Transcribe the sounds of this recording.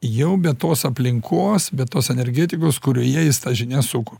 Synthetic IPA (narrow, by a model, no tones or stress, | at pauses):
jɛʊbʲɛtt̪oːsɐpʲlʲɪŋkʰoːsbʲɛt̪oːsɛnʲɛɾʲɡʲæːt̪ʲɪkoːskʊɾʲoːjiɛɪst̪ɐʒʲɪnʲɛsʊkʊ